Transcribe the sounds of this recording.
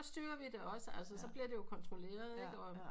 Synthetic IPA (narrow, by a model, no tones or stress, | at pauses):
ɒ̽sd̥yːɐʋid̥e̝ɒ̽səælsəsɒ̽b̥liɐde̝jo̝kʰɒ̽nt͡sʰʁo̝le̝̰ːɐð̞ˠeɡ̥ɒ̽